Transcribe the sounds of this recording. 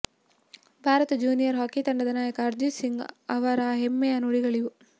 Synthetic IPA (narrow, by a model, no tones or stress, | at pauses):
bʱaːɾɐt̪ɐd͡ʒuːnijɐɾɦaːkit̪ɐɳɖɐd̪ɐnaːjɐkɐːɾd̪usiŋɡɐʋɐɾɐɦemːejɐnuɽiɡɐɭiju